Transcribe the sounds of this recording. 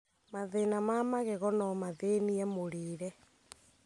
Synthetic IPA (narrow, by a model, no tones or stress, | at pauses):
maðenamamaɣeɣɔnɔmaðeniɛmoɾeːɾɛ